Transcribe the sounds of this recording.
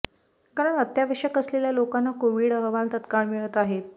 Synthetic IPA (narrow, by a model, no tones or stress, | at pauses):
kaɾəɳət̪jaʋəʂəkəsleljalokanːakoʋiːɽəɦəʋant̪ət̪kaɭmiɭət̪aɦet̪̚